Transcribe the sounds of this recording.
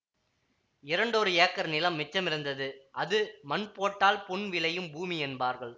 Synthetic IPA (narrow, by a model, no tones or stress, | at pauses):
ɪɾɐɳɖoɾɯjeːkːɐɾnɪlɐmːɪt͡ʃːɐmɪɾɯnd̪ɐðɯʔɐðɯmɐnpoːʈːaːlpʊɳʋɪlɐjɯmbuːmiɛnbaːɾɣɐɭ